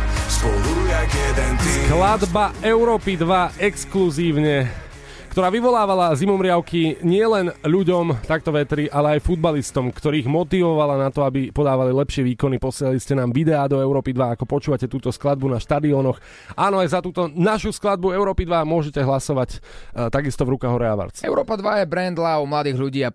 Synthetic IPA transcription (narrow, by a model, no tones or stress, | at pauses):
suuakɛd̪ɛnt̪iklad̪baɛʊɾɔːpid̪ʋaɛkskluziːʊɲɛ | kt̪ɔɾaːʋiʋɔlaːʋalazimɔmɾɪaʊkiɲɪɛlɛnʎuɟɔmt̪ak̚t̪ɔʋɛt̪ɾiʔalɛajfud̪̚balist̪ɔmkt̪ɔɾiːɣmɔt̪iʋɔʋalanat̪ɔabipɔd̪aːʋalilɛpʃɪɛʋiːkɔnipɔsɪɛlaliscɛnaːmʋid̪ɛaːd̪ɔɛʊɾɔːpid̪ʋaːkɔpɔt͡ʃuːʋacɛt̪uːt̪ɔsklad̪̚bunaʃt̪ad̪iɔnɔx | ʔaːnɔajzat̪uːt̪ɔnaʃusklad̪̚buɛʊɾɔːpid̪ʋamʊɔʒɛcɛɦlasɔʋact̪aɡist̪ɔvɾukaɦɔɾɛaʋa̰ɾt͡sɛ̰ʊɾɔːpad̪ʋajɛbɾɛnd̪laumlad̪iːɣʎuɟiːa